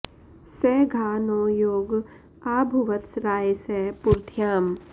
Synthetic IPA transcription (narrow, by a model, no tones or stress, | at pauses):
sɛːɡʱaːnoːjoːɡ | aːbʱuʋət̪sɾaːsɛpuɾt̪ʰjaːm